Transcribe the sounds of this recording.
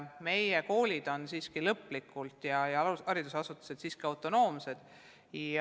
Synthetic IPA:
me̞jeko̞ːlʲid̪̥o̞nsiːskilɤpːˑlikːˑult̪jɑjɑɑɾid̪̥usɑsut̪ːˑu̥se̞d̪̥siːskiɑwt̪ˑo̞no̞ːmse̞d̪̥ | j

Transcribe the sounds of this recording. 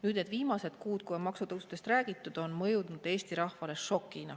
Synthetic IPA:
nyːd̪̥ned̪̥viːmɑse̞d̪̥kuːt̪kuemɑksut̪ɤwsut̪e̞st̪ræːɡ̥it̪ːˑud̪̥o̞nmɤjud̪nud̪̥e̞ːst̪iɾɑhfɑle̞ʃo̞kːˑinɑ

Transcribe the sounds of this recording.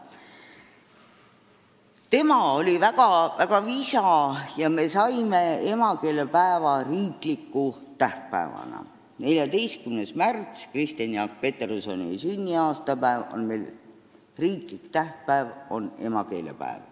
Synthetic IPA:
t̪e̞mɑolʲivæɡ̥ɑvæɡ̥ɑvisɑjɑme̞sɑjme̞e̞mɑke̞ːlepæevɑriːklikːˑu | t̪æht̪̚pæ̰ḛvɑ̰nɑ̰ | ne̞lʲjɑd̪e̞jst̪̚kymnesmært̪skrist̪ɑnjɑk̚pe̞t̪eɾoso̞nḭsynʲːiɑːst̪ɑpæevo̰nme̞jl | riːklikt̪æht̪̚pæevo̞̰ne̞̰mɑke̞̰ːlḛpæ̰ḛv

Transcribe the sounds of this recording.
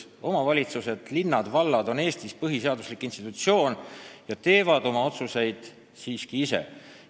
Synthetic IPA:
o̞mɑvɑlʲit̪suse̞d̪̥linːɑd̪̥vɑlːɑd̪o̞ne̞ːst̪ispɤɦiseɑd̪uslikːˑinst̪it̪ut̪sio̞ːnjɑt̪e̞ːvɑd̪̥o̞mɑot̪suse̞jd̪̥ | siːskiisḛ

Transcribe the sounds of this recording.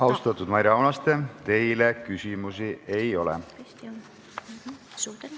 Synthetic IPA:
ɑwst̪ɑt̪ːˑud̪̥mɑjɾɑownɑst̪e̞t̪e̞jle̞kysimusiʔe̞jo̞lɛ̰

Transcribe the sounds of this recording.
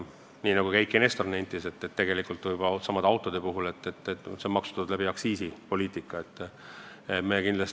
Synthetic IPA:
niːnɑɡ̥ukæjkˑːenest̪ornenʲt̪ːˑise̞t̪ːet̪ːe̞ɡe̞likˑult̪vujbsɑmɑd̪ɑwt̪ːˑo̞d̪̥e̞puɦule̞t̪ːˑet̪ːsemɑksu̥t̪ːud̪læbiɑksiːsipo̞lʲiːt̪ˑikːˑɑet̪ˑː | emekind̪lɑs

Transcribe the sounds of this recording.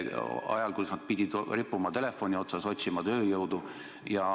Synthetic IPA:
ɑ̰jɑlkusnɑd̪̥̚pid̪̥ʲid̪ripˑːumɑt̪e̞le̞fːo̞nʲio̞t̪sɑso̞t̪ʲsimɑt̪ø̞ːjɤwd̪̥u | jɑ

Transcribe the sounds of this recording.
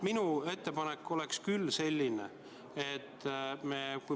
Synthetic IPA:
minue̞t̪ːe̞pɑnekːˑo̞le̞kskylːse̞lʲːine | et̪ːmeːku

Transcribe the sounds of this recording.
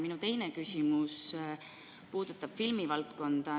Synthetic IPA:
minut̪e̞jnekysʲimus | puːd̪̥ut̪ːˑɑb̥filmivɑlt̪ko̞nd̪̥ɑ

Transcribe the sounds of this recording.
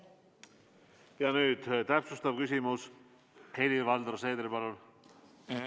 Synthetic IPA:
jɑnyːd̪̥t̪æpsust̪ɑv̥kys̬ʲimus | helivɑld̪rseːd̪ɾepɑlul

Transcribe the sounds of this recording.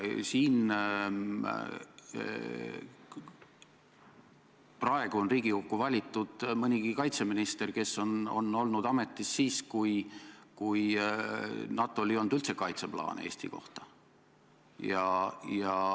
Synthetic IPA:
siːn | prɑe̞ɡ̥uo̞nriːɡ̥ikukːuvɑlʲit̪ːˑud̪̥mɤnʲiɡikɑjt̪se̞minist̪e̞rke̞sːo̞no̞̰no̞lnud̪̥ɑme̞t̪ːˑisːiːskujkuj | nɑt̪ːˑoolʲio̞nd̪̥ylt̪sekɑjt̪se̞plɑ̰ːnḛe̞̰ːsʲt̪ḭko̞̰ht̪ɑ̥ | jɑjɑ

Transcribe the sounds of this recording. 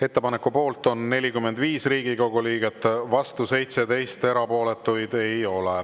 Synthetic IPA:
e̞t̪ːe̞pɑnekːˑupo̞ːlt̪ˑo̞nːe̞lʲikymːe̞nd̪viːsriːɡ̥iko̞ɡ̥uliːɡ̥et̪ːvɑst̪use̞jt̪se̞d̪e̞jstt̪e̞ɾɑpo̞ːle̞t̪ːˑujd̪̥e̞jo̞le

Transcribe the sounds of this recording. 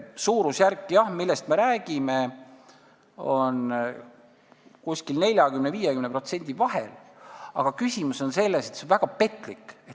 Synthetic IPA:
suːɾusjærkːˑijɑhmilːest̪me̞ɾæːɡ̥ime | o̞n | kusʲkilne̞lʲjɑkymneviːjekymne̞pro̞t̪se̞nʲd̪̥ʲivɑɦe̞̰lɑ̰ɡ̥ɑkysʲimuso̞nse̞lːe̞set̪senvæɡ̥ɑpe̞t̪ːˑlikːet̪

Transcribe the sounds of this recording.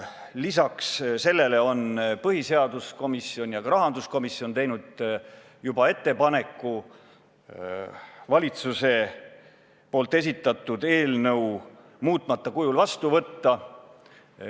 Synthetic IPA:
lisɑksse̞lːe̞le̞o̞npɤɦise̞ɑd̪̥usko̞misio̞nʲjɑɡɑɾɑɦɑnd̪̥usko̞misio̞nt̪e̞jnud̪̥ | jubɑe̞t̪ːe̞pɑne̞kːˑu | vɑlʲit̪suse̞ | po̞ːlt̪ːˑe̞s̬ʲit̪ːˑɑt̪ːˑud̪e̞ːlnɤw | muːt̪ˑmɑt̪ːˑɑkujulvɑst̪uvɤt̪ːɑ

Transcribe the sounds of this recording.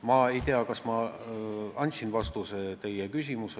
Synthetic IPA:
mɑe̞jt̪eɑkɑsmɑ | ɑnʲt̪ʲsinvɑst̪uset̪e̞jekysʲimuse

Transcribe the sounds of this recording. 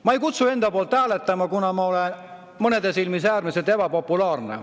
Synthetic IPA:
mɑejkut̪sue̞nd̪ɑpoːlt̪æːlet̪ːˑɑmɑkunɑmɑo̞len | mɤne̞d̪e̞silmis̬æːrmiset̪e̞pɑpo̞pːˑulɑːrnḛ

